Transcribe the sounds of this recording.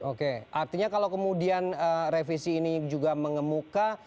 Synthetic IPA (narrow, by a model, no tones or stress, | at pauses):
okeart̪iɲakalawkəmudianərefisiːnid͡ʒuɡaməŋəmuka